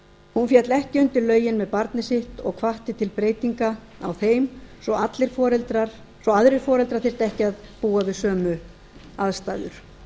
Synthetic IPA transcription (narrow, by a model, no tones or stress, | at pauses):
hunfjɛt̪lɛhcɪʏnt̪ɪɾlœːɥjɪnmɛðpaɾt̪nɪsɪht̪ɔ̰ɣkʰvaht̪ɪt̪ʰɪlpɾeːjt̪iŋka | awθejmsɔat̪lɪɾ̥fɔɾɛlt̪ɾaɾ̥ | sɔaðɾɪɾ̥fɔːɾɛlt̪ɾaɾθɪr̥t̪ɛhcɪaðpuːavɪðsœːmʏ | aðst̪a̰ːðʏ̰ɾ̥